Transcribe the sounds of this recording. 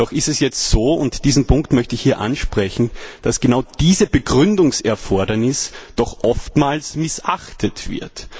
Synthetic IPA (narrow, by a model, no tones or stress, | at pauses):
d̥ɔχɪstɛsjɛt͡stz̥oːʊntd̥iːzn̩pʰʊŋktmœçtəɪçhiːɐʔa̰nʃpʁ̥ɛçn̩d̥asɡ̥ənaʊd̥iːzəb̥əɡʁʏndʊŋsɛɐfɔɐdɐnɪsd̥ɔxʔɔftmaːlsmɪsʔaxtʰətv̥ɪ̰ɐt